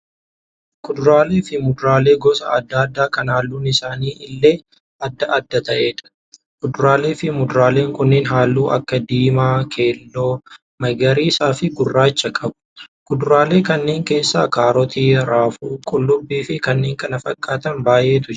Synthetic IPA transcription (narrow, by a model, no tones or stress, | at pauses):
kʊd̪ʊɾaːle̞ːfɪmʊd̪ʊɾaːle̞ːɡɔsɐɐd̪ːɐɐd̪ːaːkɐnaːlːuːnɪsaːniːʔɪlːeː | ɐd̪ːɐʔɐd̪ːɐt̪ɐʔe̞ːᶑɐ̥ | kʊd̪ʊɾaːle̞ːfɪmʊd̪ʊɾaːle̞ːŋkʊnːɪːnɦaːlːuːʔɐ̰kːɐd̪iːmaːkʰe̞ːlːoː | mɐɡɐɾiːsaːfɪɡʊrːaːt͡ʃːɐkʼɐbʊ̥kʊd̪ʊɾaːle̞ːkɐnːe̞ːŋke̞ːsːa̰ːkaːɾɔt̪iːɾaːfuːkʼɔlːʊbːiːfɪkɐnːe̞ːŋkɐnɐfɐkʼːaːt̪ɐnbaːjʔe̞ːt̪ʊ